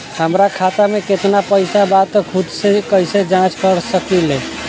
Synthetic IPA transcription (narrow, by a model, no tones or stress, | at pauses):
həmɾakʰat̪ameket̪napəjsabat̪kʰud̪sekəjsed͡ʒãt͡ʃkəɾsəkile